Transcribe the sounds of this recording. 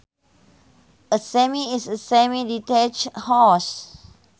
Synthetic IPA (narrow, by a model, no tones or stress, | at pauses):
əsɛmiisəsɛmiditɛt͡ʃhɔs